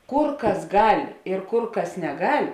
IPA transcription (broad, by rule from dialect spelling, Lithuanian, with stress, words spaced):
ˈkʊr ˈkɐs ˈɡɐlʲ ɪr ˈkʊr ˈkɐs nʲɛˈɡɐlʲ